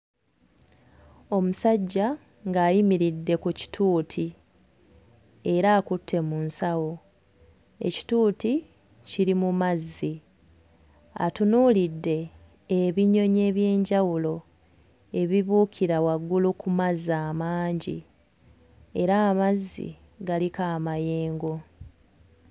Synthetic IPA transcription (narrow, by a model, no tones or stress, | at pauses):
o̞musaɟːa | ŋɡaːjimiɾidːe̞kuci̥tʰuːtʰi | e̞ɾaːkutʰːe̞munsawo | e̞̰ci̥tuːti | ciɾimumazːi | a̰tunuːlidːe̞ː | βiɲːo̞ɲe̞ːβje̞ːɲɟawulo̞ | e̞βiβuːkʰiɾawaɡːulukumazːaːmaːɲɟḭ | e̞ɾaːmazːḭ | ɡalikaːmaje̞ːŋɡo̞